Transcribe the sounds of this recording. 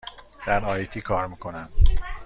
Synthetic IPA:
d̪̥æɾɒːjjt̪ʰiːkʰɒːɾmiːkʰo̞næm

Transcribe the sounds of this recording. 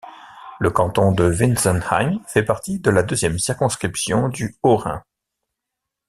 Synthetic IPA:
ləkɑ̃t̪ɔ̃d̪əvinsɔnha̰jmfɛpaʁt̪id̪əlad̪øzjɛmsiʁkɔ̃skχipsjɔ̃d̪yɔʁɛ̰̃

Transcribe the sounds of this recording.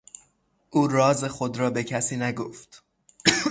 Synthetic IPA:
ʔuːrɒːze̞xo̞d̪ɾɒːbe̞cʰæsiːnæɡoft̪

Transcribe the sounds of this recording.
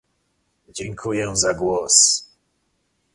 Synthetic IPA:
d͡ʑɛŋkʰujɛzaɡwɔs

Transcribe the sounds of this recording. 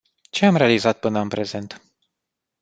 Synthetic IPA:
t͡ʃe̞amɾe̞alizat̪̚pɨnəɨnpɾe̞ze̞nt̪

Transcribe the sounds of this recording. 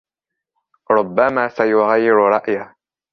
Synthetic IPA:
ɾˤʊbːamaːsajʊɣajːɪɾɾˤɑʔja

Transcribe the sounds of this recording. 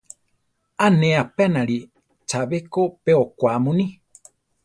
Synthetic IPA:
anẽapeanãɾi | t͡ʃaβekopeokʷamũnĩ

